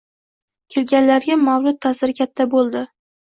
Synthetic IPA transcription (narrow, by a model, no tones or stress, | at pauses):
kʲʰe̞lɡʲanlaɾɡʲamawlʊt̪̚ʰːasɪɾɪkʲʰat̪ʰːabolˠd̪ɪ